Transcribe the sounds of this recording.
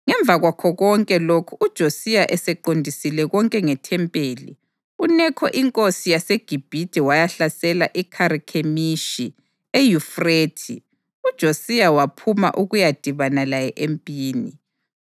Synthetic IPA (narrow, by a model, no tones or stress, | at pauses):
ŋɛɱbvʱaɣwakʰɔɣɔŋkʼɛlokʰuʔud̥ʒ̥ʱosijaʔɛsɛǃondʱisilɛɣɔŋkʼɛŋɛtʰɛmpʼeːlḭ | unɛkʰɔ̰ʔiŋkʼosijaseɡ̥ʱib̥ʱitʼɛwajaɬasɛlaʔikʰaɾikʰemiʃi | ejufretʰi | ud̥ʒ̥ʱosijawapʰuma̰ʔuɣujad̥ʱiβanalajɛʔempʼiːni